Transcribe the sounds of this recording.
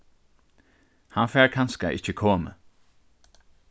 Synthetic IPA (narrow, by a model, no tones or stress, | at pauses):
hɑnfæːkʰɑnskɑʔɪ̰çəkʰoːmə̰